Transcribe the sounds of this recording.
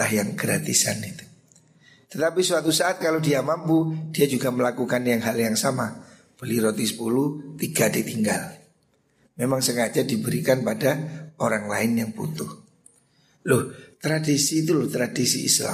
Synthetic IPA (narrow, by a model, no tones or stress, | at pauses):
ahjaŋɡɾat̪ḭsa̰nit̪u̥ | t̪ət̪apisuwat̪usaat̪̚kalodiamampud̥iad͡ʒuɡaməlakukanjaŋɦaljaŋsama | b̥əliɾot̪ɪspulut̪iɡadit̪iŋɡa̰l | memaŋsəŋad͡ʒadibəɾikanpadaoɾaŋlaɪnjaŋpṵt̪ʊh | lʊht̪ɾadisiːt̪̬ulʊht̪ɾadisḭḭsla̰